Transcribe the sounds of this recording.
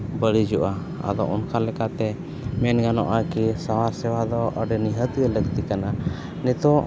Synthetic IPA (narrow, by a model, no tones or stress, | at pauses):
bəɽid͡ʒɔʔa | a̰d̪ɔʔɔnkʰalɛkat̪ɛ | mɛnɡanɔ̰ʔakisawaɾsɛwad̪ɔʔəɖɛniɦət̪iələɡt̪ikana | nɛt̪ɔ